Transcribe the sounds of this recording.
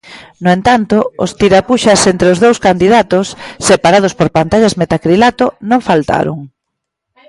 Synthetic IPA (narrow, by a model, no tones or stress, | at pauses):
noent̪ant̪oost̪iɾapuʃasent̪ɾeozðowskand̪iðat̪osːepaɾað̞ospoɾpant̪aʎazmet̪akɾilat̪onõŋfalt̪a̰ɾʊ̰ŋ